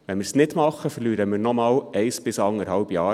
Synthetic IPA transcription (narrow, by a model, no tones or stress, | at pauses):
ʋɛnməɾsnɪdmɑχːəfərlyːɾəmɪɾnɔmɑːlɛɪsb̥ɪsɑŋəɾhɑlbjɑː